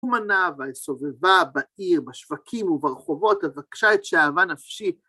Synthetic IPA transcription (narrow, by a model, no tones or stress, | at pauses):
manavasovevabaiʁbaʃv̥akʰimuvaʁχovo̞t̪avakʃaet̪ʃeaːvanafʃi